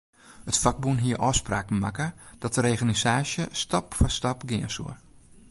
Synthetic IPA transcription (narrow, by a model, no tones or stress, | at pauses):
ətfak̚bunɦiəɾʔɔːspraːkn̩makəd̥ɔtəɾeɣanisaːsjəstapfɔstapɡɪənsṵər